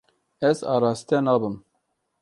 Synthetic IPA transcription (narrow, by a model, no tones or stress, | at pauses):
ɛzɑ̰ːɾɑːzt̪ɛnɑːbɨm